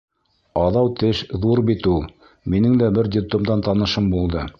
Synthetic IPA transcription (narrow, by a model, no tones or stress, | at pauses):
ɑðɑwt̪ɘʃðuɾbit̪ulˠ | minɘŋd̪æbɘɾd̪ʲɪpt̪omd̪ɑnt̪ɑnɤ̆ʃɤmbulˠd̪ɤ